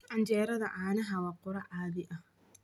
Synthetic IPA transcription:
ʔand͡ʒeːɾɐdaʔaːnaɦawakːʊɾaʔaːbɪʔa

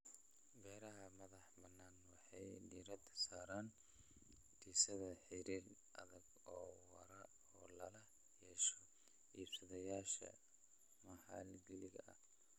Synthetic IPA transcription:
bɛːɾɐɦɐmɐðɑħbɐnːaːnwɑħɑjɖiːɾɐd̪saːɾaːn | diːsɐðɐħɪɾiːrʔɐðɐɡ | ɔːwɐ̰ɾɐ | ɔːlɐlɐ | hɛʃɔ | iːbsɐðɐjaːʃɐ̰ | mɐħɑ̰lɡɛlɪɣɐ̰ʔɐ̰h

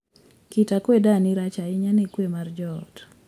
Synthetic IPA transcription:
kitakwedanɪɾat͡ʃaɪɲanekwemard͡ʒɔt

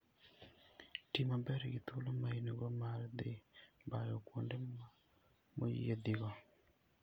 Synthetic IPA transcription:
timabɛɾɛɡɪt̪ʰulomainiɡɔmaɾd̪ɪbajɔkwonde | mojḭjed̪ɪɣɔ

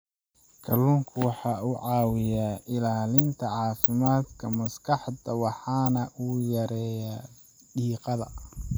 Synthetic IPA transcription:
kʰɐluːŋkʰʊwɑħɑːuʕɑːwɪjaːʔɪlaːlɪnt̪ʰɐʕɑːfɪmaːd̪kʰɐmɐskʰɑħd̪ɐwɑħɑːnɐʔuːjɐɾɛːja | ɖiːqɑðɐ

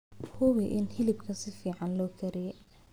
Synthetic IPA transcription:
hʊwɪʔɪnhɪlɪbkʰɐsɪfiːʕɑnlɔːkʰɐɾɪjɛ

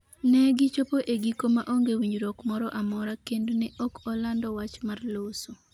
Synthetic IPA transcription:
nɛɡɪt͡ʃopoʔeɡikomaʔoŋɡewiɲd͡ʒɾɔkmɔɾɔʔamɔɾakendnɪʔɔkɔlandɔwat͡ʃmarloso

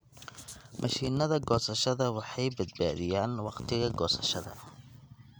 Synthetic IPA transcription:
mʔɐʃiːnɐðɐɡɔːsɐʃɐðɐwɑħɑjbɐd̪̚ba̰ːðɪjaːnwɑqt̪ʰɪɣɐɡɔːsɐ̥ʃɐðɐ̰

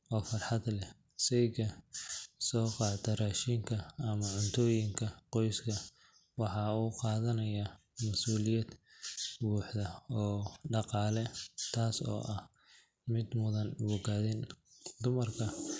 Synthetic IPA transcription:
ʔɔːfɐrħɑd̪lɛ | sɛjɣɐ | sɔːqɑːd̪ɐraːʃiŋkʰɐːmɐʕʊnt̪ʰɔːjɪŋkʰɐqɔjskʰɐ | wɑħɑuːqɑːðɐnɐjɐ | mɐsuːlɪjɐd̪buːħd̪ɐɔːɖɑqɑːlɛt̪ʰaːsɔ̰ːʔɐh | mɪd̪mʊðɐnwɔɣaːðɪnd̪ʊmɐrkʰɐ

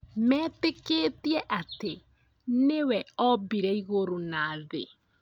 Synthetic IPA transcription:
mɛːtekeːtiɛʔate | newɛɔbiɾɛiɣoɾonaːðe

